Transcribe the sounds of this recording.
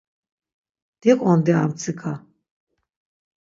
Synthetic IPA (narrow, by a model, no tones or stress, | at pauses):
d̪̥ɛqʼɔnd̪ɛamt͡sʰikʰa